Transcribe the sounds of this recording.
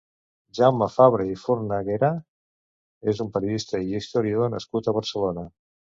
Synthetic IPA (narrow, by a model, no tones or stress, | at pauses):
ʒawmafaβɾeifuɾnəɣeɾa | ezumpəɾjuðist̪əiist̪oɾiaðonə̰skut̪əβəɾsəlonə